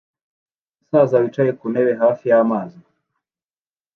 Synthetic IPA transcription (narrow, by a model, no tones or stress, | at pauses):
sazawit͡ʃajekunɛβeɦafijamaːzi